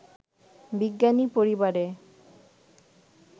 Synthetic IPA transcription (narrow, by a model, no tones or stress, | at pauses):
biɡːanipoɾibaɾe